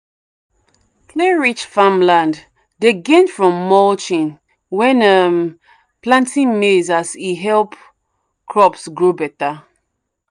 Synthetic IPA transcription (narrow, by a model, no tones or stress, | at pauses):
kʰlɛɹit͡ʃfãmlãnd | deɡẽnfɹɔ̃mːɔlt͡ʃĩn | wɛ̃nəm | plãntĩnmezasiɦɛlp | kʰɹɔpsɡɹobɛta